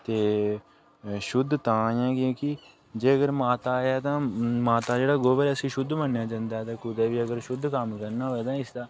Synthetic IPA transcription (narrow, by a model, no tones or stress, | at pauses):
t̪eː | ʃʊd̪ʱt̪ãːjãːkjõːkɪ | d͡ʒeːəɡəɾmaːt̪aːjɛːt̪ãːmaːt̪aːd͡ʒeːɽaːɡoːʋəɾɛsĩːʃʊd̪ʱːmənjãːd͡ʒãːnd̪aːɦɛːt̪ãːkʊd̪eːʋiːəɡəɾʃʊd̪ʱkəmkəɾnaːʋɛːd̪ãːɪsd̪aː